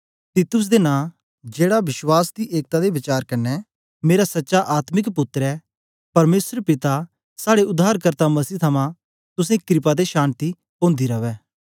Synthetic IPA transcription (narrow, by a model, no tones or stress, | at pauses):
t̪iːt̪ʊs̬d̪enãː | d͡ʒeːɽabɪʃwaːsd̪iʔeːk̚t̪ad̪ebɪt͡ʃaːɾkɐnːɛ | meːɾasɐtːʃaʔaːt̪mɪkpʊt̪ːɾɛː | pɐɾmeːsəɾpɪt̪a | saːɽeʊd̪ʱaːɾkəɾt̪amɐsiːt̪ʰɐmã | t̪ʊs̬ẽkɾɪpad̪eʃaːnt̪i | põːnd̪iɾɐʋɛː